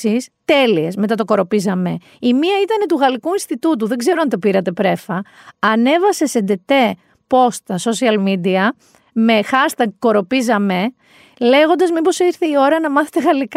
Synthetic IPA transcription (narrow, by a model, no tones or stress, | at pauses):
ist̪e̞liesme̞t̪ɐt̪o̞ko̞ɾo̞pizɐme̞ | imiɐit̪ɐne̞t̪uɣɐlikuinst̪it̪ut̪̬uðe̞ɡze̞ɾoɐnit̪o̞piɾɐt̪e̞pɾe̞fɐɐne̞vɐse̞send̪et̪e̞ | po̞st̪ɐso̞siɐlmid̪iɐ | me̞xɐst̪ɐɡko̞ɾo̞pizɐme̞ | le̞ɣo̞nd̪ɐzmipo̞siɾθe̞io̞ɾɐnɐmɐθet̪e̞ɣɐlik